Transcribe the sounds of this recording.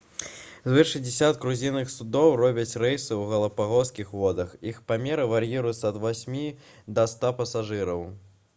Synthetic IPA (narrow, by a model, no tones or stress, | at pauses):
zvɨʂɐd͡zʲɪsʲat̪kɾuzʲinɨxsud̪ɔwrɔbʲɐt͡sʲrɛjsɨwɣɐlˠɐpaɣɔskʲixvɔd̪ɐxixpamʲɛɾɨvarjiɾujut̪sːɐɐd̪vasʲmʲi | d̪ɐst̪apɐsaʐɨɾɐw